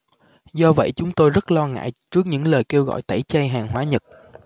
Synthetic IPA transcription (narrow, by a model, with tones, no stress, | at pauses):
zɔ˧və̰˧˨jt͡ɕʊ˨˦ŋ͡mt̪o˧jzə˦˥t̚lɔ˧ŋa̰ː˧˨jt͡ɕɨ˦˥ək̚ɲɨ̰˧˥ŋləː˨˩jke˧wɣɔ̰˧˨jt̪a˧˩jt͡ɕə˧jɦaː˨˩ŋɦwaː˨˦ɲə˨˩t̚